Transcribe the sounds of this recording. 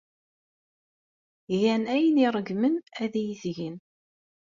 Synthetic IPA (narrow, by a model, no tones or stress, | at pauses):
ʝænæjəniɾˤəɡmənæðijiθʝin